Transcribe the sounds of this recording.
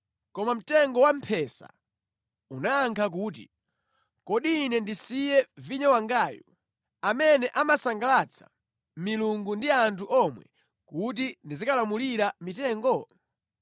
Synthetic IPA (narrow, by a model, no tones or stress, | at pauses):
kɔmam̩tɛŋɡɔwam̩pʰɛsa̰ | unaːŋkʰak̬uːt̬ḭ | kɔɗinɛndisijɛviɲɔwaŋɡaːjɔ | amɛnɛʔamasaŋɡalat͡sʰḁ̰ | miluŋɡundiantʰuʔɔmwɛ̰ | kut̬indizikalamuliɾamitɛːŋɡɔ